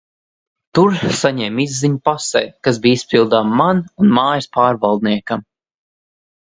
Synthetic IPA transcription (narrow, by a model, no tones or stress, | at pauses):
t̪uɾsaɲɛmizːiɲpasɛ̰jkasbiːispʲilˠd̪aːmːanunmaːjəspaːɾvalˠd̪̚niɛkam